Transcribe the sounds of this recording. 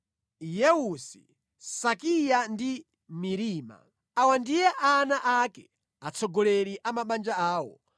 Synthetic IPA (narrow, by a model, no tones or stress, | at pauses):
jɛusḭ | sakijandi | miɾiːma̰ | awandijɛʔanaʔakɛ | at͡sʰɔɡɔlɛliʔamaɓand͡ʒaaːwɔ̰